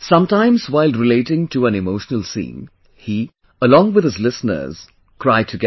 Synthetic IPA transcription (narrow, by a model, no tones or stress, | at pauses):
sʌ̃mtãɪ̃mzwaɪlˠɹɨleɪɾɪ̃ŋtʰɨæ̃nɨmoʊʃnəl̩ˠsḭ̃ːn | hi | əlɔ̃ŋwɨð̥ɨzlɪsn̩ə̰˞z̥ | kʰɹ̥aɪd̚tʰɨɡɛ